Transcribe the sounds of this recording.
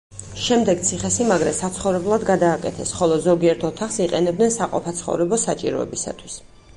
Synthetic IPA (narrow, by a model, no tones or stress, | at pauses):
ʃɛmd̪ɛɡt̪sʰiχɛsimaɡɾɛsat̪sʰχɔvɾɛblˠad̪ɡad̪aːkʼɛt̪ʰɛsχɔlˠɔzɔɡiɛɾt̪ʰɔt̪ʰaχsiqʼɛnɛb̚d̪nɛnsaqʼɔ̰pʰat̪sʰχɔ̰vɾɛbɔsat͡ʃʼḭɾɔ̰ɛ̰bisa̰t̪ʰwis